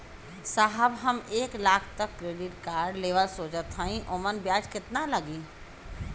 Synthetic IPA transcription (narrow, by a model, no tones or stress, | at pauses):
saɦəbɦɐmeːklaːkʰt̪əkːɾeːɖɪʈkaːɾɖleːʋəlsoːt͡ʃət̪ʰːaːĩʔomənbjaːd͡ʒkɪt̪nalɐɡiː